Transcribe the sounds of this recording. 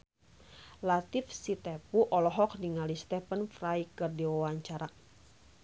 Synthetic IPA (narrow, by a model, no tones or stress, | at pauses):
lat̪ifsit̪ɛpuʔɔlɔɦɔk̚diŋalist̪ɛpənfrajkɨrdiwawaɲt͡ʃaɾa